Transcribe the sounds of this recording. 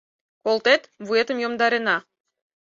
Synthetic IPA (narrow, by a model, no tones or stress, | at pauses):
kolˠt̪et̪vuet̪əmjomd̪ɑɾenɑ